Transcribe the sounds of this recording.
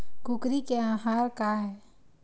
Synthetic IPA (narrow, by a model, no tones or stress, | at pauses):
kʊkɾikeãːɦaːɾkaɦɛː